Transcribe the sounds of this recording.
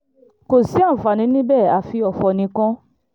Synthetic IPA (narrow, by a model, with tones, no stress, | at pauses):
ko˨si˨˦ã˦˨fa˨nĩ˨˦nĩ˦bɛ˦˨a˨fi˧˦ɔ˨fɔ˧nĩ˧˦kã˦